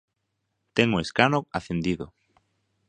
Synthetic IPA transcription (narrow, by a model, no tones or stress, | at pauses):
t̪ɛŋoeskanoaθend̪iðo